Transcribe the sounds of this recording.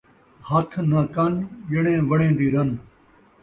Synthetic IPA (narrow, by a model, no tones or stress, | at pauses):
hɐt̪ʰnɐkɐnʄɪɽẽːʋəɽẽːd̪iːɾɐn